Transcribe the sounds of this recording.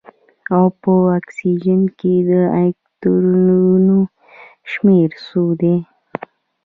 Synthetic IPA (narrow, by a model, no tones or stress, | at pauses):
awpəaksid͡ʒənked̪əakt̪uɾununo | ʃmeɾsud̪e